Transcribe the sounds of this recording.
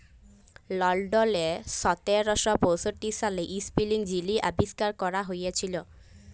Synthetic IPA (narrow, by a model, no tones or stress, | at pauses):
lɔlɖɔleʃɔt̪eɾɔʃɔpowsoʈːiʃaleʔispiliŋd͡ʑiliʔa̰biskaɾkɔɾaɦojet͡ɕʰilo